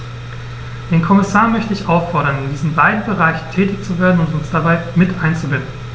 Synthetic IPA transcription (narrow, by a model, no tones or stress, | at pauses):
d̥eːnkʰɔmɪsaːɐmœçtəɪçʔaʊfɔɐɾɐndiːzn̩baɪdn̩bəʁaɪç̩tʰɛːtɪçt͡suveːɐdn̩ʊntʊnsd̥abaɪmɪtʔaɪnt͡subɪndn̩